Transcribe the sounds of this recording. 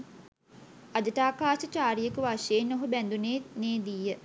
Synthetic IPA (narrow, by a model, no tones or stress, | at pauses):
ad͡ʒəʈaːkaːʃət͡ʃaːɾijekəʋaʃeːnːoɦubænd̪uneːneːd̪ijːə